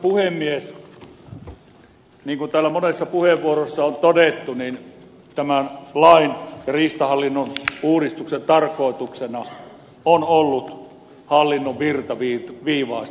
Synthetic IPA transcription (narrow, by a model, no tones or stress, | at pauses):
puhemːies | niːŋkunt̪æːlːæmonesːɑpuheʋːuorosːɑont̪odet̪ːunin | t̪æmænlɑinjɑriːst̪ɑhɑlːinːonuːɾist̪uksent̪ɑrkˑoˑit̪uksenɑ | onolːut̪ | hɑlːinːoʋʋirt̪ɑʋiːʋiːʋɑˑːs